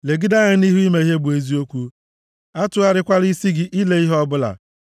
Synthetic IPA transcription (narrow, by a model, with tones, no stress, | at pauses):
le˨ɡi˦da˦ɲa˦ni˦ɦu˦i˦me˨i˦ɦe˦bu˨e˨zi˦o˦kʷu˦ | a˦tʊ˦a˦ɾɪ˦kʷa˦ɾi˦si˦ɡɪ˦ʔi˦le˦i˦ɦɔ˦bʊ˦la̰˨